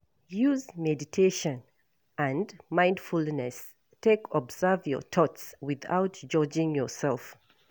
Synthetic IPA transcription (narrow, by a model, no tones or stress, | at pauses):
juzmɛditʰeʃɔ̃n | ʔãndmãɪ̃ndfulnɛs | tekʰɔbzɛvjɔ̰t̪ʰɔtswɪða̰ʊtd͡ʒɔd͡ʒɪ̃ŋjɔsɛlˠf